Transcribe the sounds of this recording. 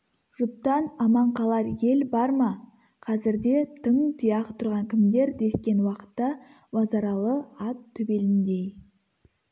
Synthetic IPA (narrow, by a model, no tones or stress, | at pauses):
ʒ̥ʊp̚t̪ɑnɑmɑɴqʰɑlˠɑɾje̞lbɑɾmɑ | qʰɑzɪɾd̪e̞t̪ʰəŋt̪ʰijɑqt̪ʰʊɾʁɑŋkʲʰɪmd̪e̞ɾd̪e̞skʲe̞nwɑqə̥t̪ːɑ | wɑzɑɾɑlˠəɑt̪ʰːʏbe̞lɪnd̪e̞j